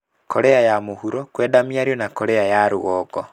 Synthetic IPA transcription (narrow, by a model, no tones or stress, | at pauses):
kɔɾeajamohuɾɔkwɛdamiaɾiɔnakɔɾeajaɾoɣɔːɡɔ